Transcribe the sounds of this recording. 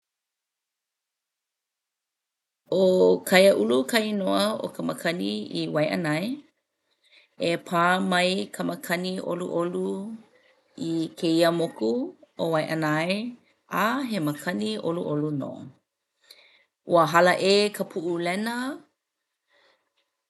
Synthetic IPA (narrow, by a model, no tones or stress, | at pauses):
ʔokʰɐjəʔulukʰɐjnoəo̰kəməkʰɐniiwɐjʔɐ̰nɐj | epʰaːmɐjkʰəməkʰɐniʔo̰lṵʔolu | ikʰeiəmokuowɐjʔɐnɐaj | ʔaɦeməkʰɐniʔo̰luʔoluno̰ | ʔuəɦɐləʔeːkʰəpʰuʔulɛnə